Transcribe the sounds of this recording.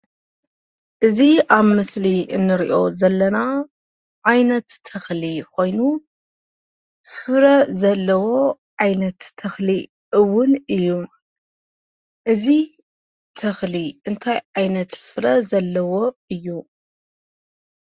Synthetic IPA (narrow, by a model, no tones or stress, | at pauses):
ʔɨziaβmɨsliʔɨ̰nːɨɾiʔo̞zɐlːɐna | ʕajnɐt̪ʰːɐxlikʰo̞jnu | fɨɾɐzɐlːɐwo̞ | ʕajnɐt̪ʰːɐxli | ʔɨwːʊnɨjːu | ʔɨzi | t̪ʰɐxliɨnt̪ʰajʕajnɐt̪fɨɾɐzɐlːɐwo̞ɨjːu